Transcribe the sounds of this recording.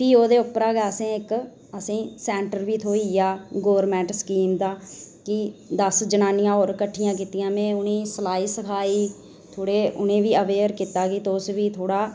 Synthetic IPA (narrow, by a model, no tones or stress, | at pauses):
piːoːd̪eːʊpːɾaːɡɛːəsẽːɪk | əsĩːsɛːɳʈəɾʋiːt̪ʰoːiːjaːɡoːʋəɾmɛ̃ːɳʈskiːmd̪aːkɪd̪əsd͡ʒənaːnɪjãːoːɾkəʈʰːɪjãːk̬iːt̪ijãːmɛ̃ːʊnĩːsəlaːiːsəkʰaːiː | t̪ʰoːɽeːʊnẽːʋiːəʋeːɾkiːt̪aːkiːt̪oːsʋiːt̪ʰoːɽaː